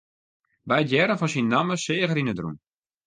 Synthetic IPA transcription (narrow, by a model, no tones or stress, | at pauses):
bɛjətjɛɾəfɔnsinːaməsɪːəɣəɾinədrṵm